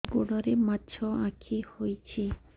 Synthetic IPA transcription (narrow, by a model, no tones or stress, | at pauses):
ɡoɽɔɾematːt͡ʃʰɔãkʰihojt͡ɕʰi